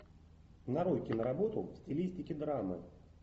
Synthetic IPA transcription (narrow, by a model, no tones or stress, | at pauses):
nɐɾojkʲɪnəɾɐbo̞t̪ʊfsʲtʲɪlʲisʲtʲɪkʲɪd̪ɾamɨ̰